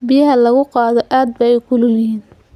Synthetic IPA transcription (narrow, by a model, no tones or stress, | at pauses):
bɪjɐɦɐlɐɣʊqɑːðɔʔaːd̪̚bɐɛjkʰʊlʊljɪhiːn